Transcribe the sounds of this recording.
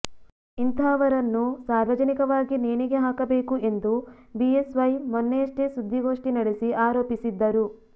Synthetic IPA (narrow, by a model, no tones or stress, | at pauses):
int̪ʰaɐʋɐɾɐnːusaːɾʋɐd͡ʒɐnikɐʋaːɡineːniɡe̞ɦaːkɐbe̞ːkue̞nd̪u | biesʋɐjmɔnːeɐʂʈesud̪ʱːiɡo̞ːʂʈinɐɽesiʔaːɾoːpisid̪ːɐɾu